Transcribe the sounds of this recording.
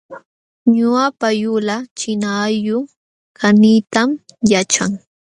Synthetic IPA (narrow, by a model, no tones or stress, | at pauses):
ɲʊapajʊlat͡ʃɪnajʊ | kʰaniːt̪amjat͡ʃa̰ŋ